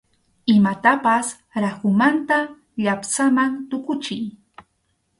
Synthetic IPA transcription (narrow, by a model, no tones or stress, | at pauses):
ɪmat̪apas | ɾahʊmant̪a | ʎapsamant̪ʊkʊt͡ʃɪj